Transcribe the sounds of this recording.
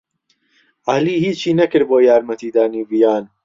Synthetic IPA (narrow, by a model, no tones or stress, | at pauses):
aliːhiːt͡ʃiːnɐkɪɾboːjaːɾmɐt̪ʰiːd̪aːniːvijaːn